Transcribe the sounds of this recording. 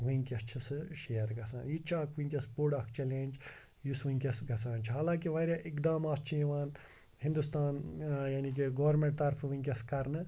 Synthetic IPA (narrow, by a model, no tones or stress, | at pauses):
ʋiŋkɐst͡ʃʰisɨʃejɐɾɡɐsa̰ːnit͡ʃʰaːkʰʋuŋkʲɐspuɖɐkʰt͡ʃʰɐleːnd͡ʒ | jusʋũŋkʲɐsɡɐsãːnt͡ʃʰiɦaːlãːkiʋɐːɾʲjaːʔikd̪amaːst͡ʃʰiĩʋaːn | hĩnd̪ust̪aːnjaːnik̬iɡɐʋɐɾmẽɳʈ̚t̪ɐɾfʰʋĩŋʲkʲɐskɐɾnɨ